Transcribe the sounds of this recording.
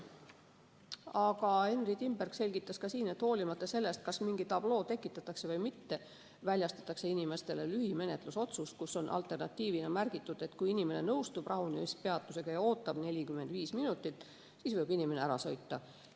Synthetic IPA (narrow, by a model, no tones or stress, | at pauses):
ɑɡɑe̞nrit̪imbærkse̞lʲɡ̥it̪ˑːɑskɑsiːne̞t̪ho̞ːlʲimɑt̪ːˑɑse̞lːe̞st̪̚kɑsmiŋɡit̪ɑb̥lo̞ːt̪e̞kːˑit̪ːˑɑt̪ːˑɑkse̞vɤjmit̪ːe̞ | vælʲjɑst̪ɑ̥t̪ːˑɑkse̞inime̞st̪e̞le̞lyhime̞ne̞t̪ˑluso̞t̪suskuso̞nʔɑ̰lt̪ːˑe̞rnɑt̪ʲːiːvinɑmærɡ̥it̪ːˑud̪̥e̞t̪ːkujinime̞ne̞nɤwst̪ub̥rɑɦunispe̞ɑt̪ːˑuse̞ɡ̥ɑjɑo̞ːt̪ːˑɑb̥ne̞lʲikymend̪viːsminut̪ːˑit̪ːˑ | sisvɤjbinime̞neæɾɑso̞jt̪ːɑ